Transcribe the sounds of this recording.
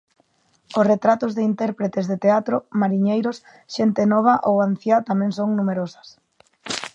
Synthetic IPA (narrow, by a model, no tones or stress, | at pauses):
ʊsret̪ɾat̪ʊzðɪint̪ɛɾpɾet̪ezðet̪eat̪ɾomaɾiɲejɾos | ʃent̪enɔβ̞aʔowan̟θjat̪amɛ̃ŋsoŋnumeɾosḁs